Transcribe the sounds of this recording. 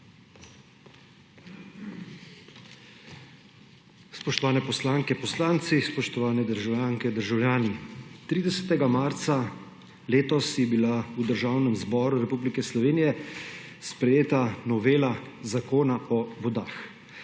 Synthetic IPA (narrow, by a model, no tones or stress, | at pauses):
spɔʃt̪ɔʋaːnɛpɔslaːŋkɛpɔslaːnt̪sispɔʃt̪ɔʋaːnɛd̪əɾʒawljaːŋkɛd̪əɾʒawljaːnit̪ɾiːd̪ɛsɛt̪ɛɡamaːɾt̪sa | leːt̪ɔsjɛbilaud̪əɾʒaːwnɛmzbɔːɾuɾɛpuːblikɛslɔʋeːnijɛ | spɾɛjeːt̪anɔʋeːla | zakoːnaʔɔʋɔd̪aːx